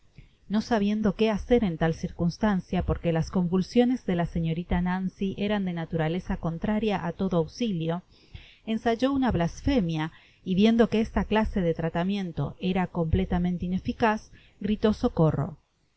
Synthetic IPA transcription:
no̞saβ̞je̞nd̪o̞keaseɾe̞nt̪alsiɾkunst̪ansjapo̞ɾke̞lasko̞ɱbulsjo̞ne̞zðe̞lase̞ɲo̞ɾit̪anansiʔeɾand̪e̞nat̪uɾale̞sako̞nt̪ɾaɾjaʔat̪o̞ðoawsiljo̞ | ensaʒo̞unaβlasfemja | iβje̞nd̪o̞keest̪aklase̞ðet̪ɾat̪amjẽ̞nt̪o̞̰ʔeɾako̞mple̞t̪amẽnt̪eine̞fikas | ɡɾit̪o̞so̞koro̞̰

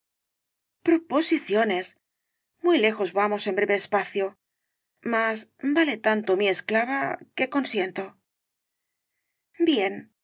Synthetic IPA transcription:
pɾo̞po̞siθjo̞ne̞s | mwujle̞xo̞zβamo̞se̞mbɾe̞βe̞ːspaθjo | masbale̞t̪ant̪omie̞sklaβake̞ko̞nsje̞nt̪o̞ | bje̞n

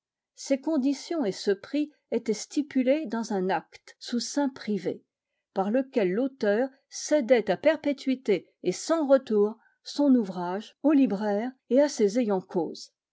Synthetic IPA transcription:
sekɔ̃d̪isjɔ̃esəpχi | et̪ɛst̪ipyled̪ɑ̃zɛ̃nakt̪susɛ̃pχivḛ | paʁləkʲɛlːot̪œːʁ | sed̪ɛt̪apɛʁpet̪ɥit̪eː | sɑ̃ʁət̪uːʁ | sɔ̃nuvʁaʒolibʁɛʁeasezejɑ̃kʰo̰ːz̥

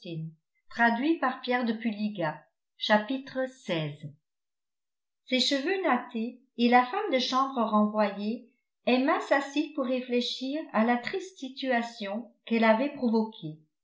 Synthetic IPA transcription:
in | t̪χad̪ɥipaʁpjɛʁd̪əpyliɡa | ʃapit̪χəsɛːz | seʃəvønat̪eː | lafamd̪əʃɑ̃bʁəʁɑ̃vwaje | ɛmɛ̃sasipuʁːefleʃiːʁalat̪χist̪sit̪yasjɔ̃kɛlavɛpχɔvɔkʰe

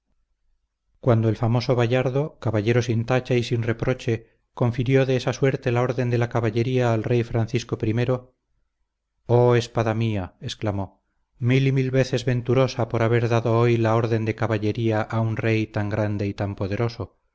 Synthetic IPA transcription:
kwand̪oelfamo̞so̞β̞aʎaɾðo̞kaβaʎe̞ɾo̞sint̪at͡ʃaisinre̞pɾo̞t͡ʃe̞ | ko̞ɱfiɾjo̞ðe̞esaswe̞ɾt̪e̞lao̞ɾðe̞nd̪e̞lakaβaʎe̞ɾiaːlrejfɾanθisko̞pɾime̞ɾo̞ | oe̞spaðamiae̞sklamo̞ | milimilβe̞θe̞zβe̞nt̪uɾo̞sapo̞ɾaβe̞ɾðaðo̞ojlao̞ɾðe̞nd̪e̞kaβaʎe̞ɾiaʔaunre̞jt̪aŋɡɾand̪e̞it̪ampo̞ðe̞ɾo̞so̞

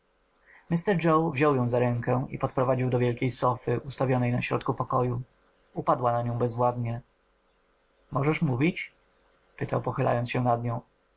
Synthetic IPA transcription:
mʲɘst̪ɛɾd͡ʐɔwvʑɔwjɔ̃w̃zaɾɛŋkɛḭpɔt̪pɾɔvad͡ʑiwd̪ɔvʲjɛlkʲejsɔfɘʔust̪avʲjɔnɛjnaɕɾɔ̰t̪kupɔkɔju | upad̪wanaɲɔ̃w̃bɛzvwad̪ɲɛ | mɔʐɛʂmuvʲit͡ɕ | pɘt̪awpɔxɘla̰jɔnsɕɛnad̪ɲɔ̃w̃

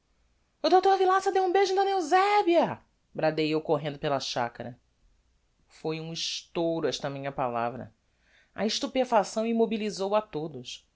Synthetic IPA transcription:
ʊd̪ot̪oɾvilãsɐd̪ewũbeʒʊd̪ɐnewzɛbiɐ | bɾad̪ejewkoɦẽnd̪ʊpelɐʃa̰kɐɾɐ | fojũiʃt̪owɾʊɛʃt̪ɐmĩɲɐpala̰vɾɐ̰ | ɐ̰iʃt̪upefasɐ̃w̃imobilizowat̪od̪ʊs

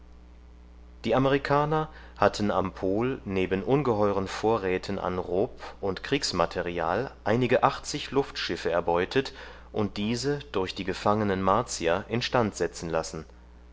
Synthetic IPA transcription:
d̥iːaməʁ̞ikʰaːnɐ | hatʰn̩a̰mpʰoːlneːbənʔʊnɡəɦɔʏʁ̞ənfoːɐʁɛːtʰənʔa̰nʁoːpʔʊntkʁ̥iːksmatʰɛʁia̰ːlʔaɪnɪɡəʔaχt͡sɪçlʊftʃɪfəɛɐbɔʏtʰət | ʔʊnt̚d̥iːzəd̥ʊɐçd̥iːɡəfaŋənənmaɐt͡siaʔɪnʃtantz̥ɛt͡sn̩lasn̩

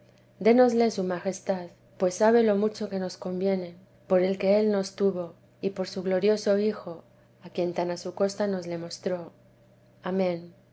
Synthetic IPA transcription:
d̪e̞no̞zle̞sumaxe̞st̪að | pwe̞sːaβe̞lo̞mut͡ʃo̞ke̞no̞sko̞mbje̞ne̞ | po̞ɾe̞lke̞e̞lno̞st̪uβo̞ | ipo̞ɾsuɣlo̞ɾjo̞so̞ixo̞ | akje̞nt̪anasuko̞st̪ano̞zle̞mo̞st̪ɾo̞ | amẽ̞n

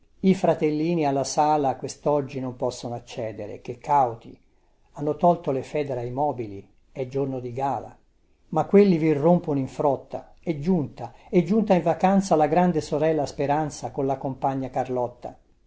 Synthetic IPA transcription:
ifɾat̪elːiːnialːasaːlakwest̪ɔd͡ʒːinompɔsːonoat͡ʃːɛːd̪eɾḛk̟ekʰːawt̪ḭ | anːot̪ɔlt̪olefɛːd̪eɾajmɔːbilḭ | ɛd͡ʒornod̪iɡaːla̰ | makːwelːivirːomponoiɱfɾɔt̪ːa̰ | ed͡ʒːunt̪aɛd͡ʒːunt̪aiɱvakant̪salaɡɾand̪esoɾɛlːaspeɾant̪sakonlakompaɲːakarlɔt̪ːa̰

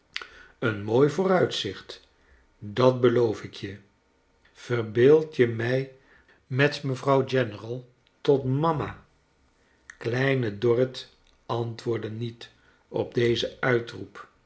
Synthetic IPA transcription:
ənmoːjvʊːrœɥtsɪχt | dɑt̚bəlowfɪkjə | v̥ərbɪːlˠtjəmɛj | mɛtməvrɑwd͡ʒɛnərɑlˠ | tɔtmɑma̰ː | klɛjnədɔrət | ʔɑntʋʊːɹdənit | ɔ̰b̚dejzəœɥtrup

